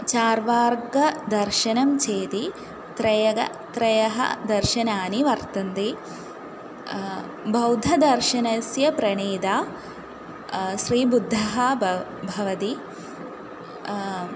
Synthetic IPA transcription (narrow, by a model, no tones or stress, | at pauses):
t͡ʃaːɾʋaːɾɡɐd̪ɐɾʃɐnɐmt͡ʃeːt̪i | t̪ɾɐjɐɡɐ̰ | t̪ɾɐjɐɦɐ̰d̪ɐɾʃɐnaːniʋɐɾt̪ɐnd̪i | bʱɐwd̪ʱɐd̪ɐɾʃɐnɐsjɐpɾɐɳeːd̪aː | ʃɾiːbud̪ʱːɐɦɐ | bʱɐʋɐt̪i